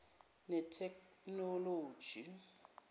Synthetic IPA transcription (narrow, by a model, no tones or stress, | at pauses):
nɛtʰɛknɔloːd̥ʒ̥ʱi